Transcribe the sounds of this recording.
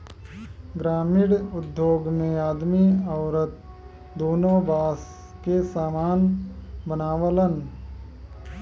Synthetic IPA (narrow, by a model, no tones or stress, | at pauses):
ɡɾaːmɪɽʊd̪joːɡmẽaːd̪miəʊɾət̪̚ | d̪oːnõːbaːs | kesaːmaːnbənaːʋələn